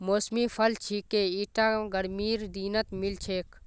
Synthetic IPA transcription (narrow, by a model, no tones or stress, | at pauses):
moːsmipʰɐlt͡ʃʰikeiːʈaːɡəɾmiːɾd̪iːnət̪milt͡ʃʰeːk